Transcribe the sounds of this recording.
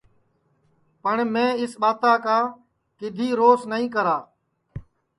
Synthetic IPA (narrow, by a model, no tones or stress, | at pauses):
pəɳmẽːɪsɓaːt̪aːkãː | kɪd̪ʱiːɾoːsnəɦĩːkəɾaː